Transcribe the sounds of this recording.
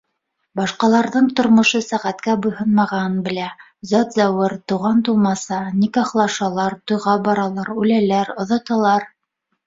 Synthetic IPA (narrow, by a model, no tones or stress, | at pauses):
bɑʃqɑlˠɑɾðɤɴt̪ŏɾmŏʃɤsæʁæt̪kæbŭjɦɤnmɑʁɑnbɘ̆læ | zɑt̪zæwɤɾt̪ŭʁɑnt̪ulˠmɑsɑnikɑχlˠɑʃɑlˠɑɾt̪ŏjʁɑbɑɾɑlˠɑɾʉlælæɾŏðɑt̪ɑlˠɑɾ